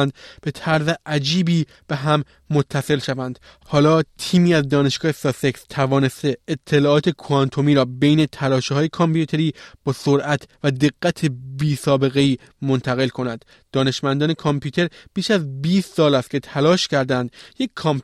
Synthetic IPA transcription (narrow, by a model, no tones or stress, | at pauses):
nd̪b̥e̞t̪ʰæɾzeʔæd͡ʒiːbiː | b̥eɦæmː | ot̪ʰːæse̞lʃævænd̪̥ | hɒːlɒːt̪ʰiːmiːæzd̪ɒːne̞ʃɡ̥ɒːhesɒːse̞kst̪ʰævɒːne̞st̪e̞ːt̪ʰːe̞lɒːɒːt̪ʰe̞kʰoænt̪ʰo̞miːɾɒːbejne̞t̪ʰælɒːʃhɒːjekʰɒmpʰjut̪ʰe̞ɾiːb̥ɒːsoɾʔæt̪ʰvæd̪e̞ɡːæt̪ʰe̞biːsɒːbe̞ɣe̞iː | mont̪ʰæɣe̞lkʰo̞nænd̪̥ːɒːne̞ʃmænd̪ɒːne̞kʰɒmpjuːt̪ʰe̞ɾb̥iːʃæzbiːst̪sɒːlæst̪̚cʲʰe̞t̪ʰælɒːʃcæɾd̪ænd̪jecʰːɒm